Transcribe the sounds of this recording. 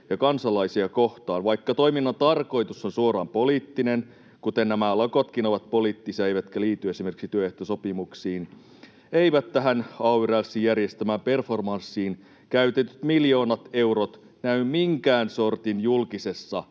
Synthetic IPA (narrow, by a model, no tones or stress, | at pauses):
jɑkɑnsɑlɑisiɑkoht̪ɑːnʋɑjkːɑt̪o̞iminːɑnt̪ɑrko̞jt̪usːonsuoɾɑːmpoliːt̪ːinen | kut̪enːæmælɑkot̪kinoʋɑt̪̚poliːt̪ːisiɑejʋæt̪kæliːt̪ːye̞simerksit̪yøeht̪osopimuksiːn | eiʋæt̪tːæɦænɑuʋyrælsːijjærjest̪æmæːmpe̞rfo̞rmɑnsːiːn | kæyt̪et̪yt̪miljo̞ːnɑt̪e̞wɾot̪ | næymmiŋkæːnso̞rt̪injulkise̞sːɑ